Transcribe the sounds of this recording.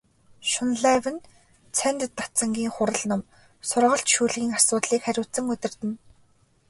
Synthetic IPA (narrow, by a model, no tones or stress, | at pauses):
ʃʊnɮæwɘ̆n | t͡sʰænt̪t̪ːat͡sə̆ŋɡʲiːŋχʊɾə̆ɮnʊm | sʊrʁə̆ɬt͡ɕʃuːɮɣʲiːŋasʊːt̪ɮiːkχæɾʲʊːt͡sə̆ŋɵt̪ʲɪ̆rt̪ɘ̆n